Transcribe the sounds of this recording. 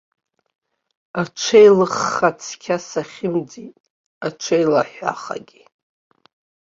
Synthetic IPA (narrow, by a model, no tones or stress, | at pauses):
aʈ͡ʂʷʰejlɨχːat͡sʰkʲʰasaχʲɪmd͡zitʼ | at͡ʃʷʰejlaħʷᶣa̰χa̰ɡʲi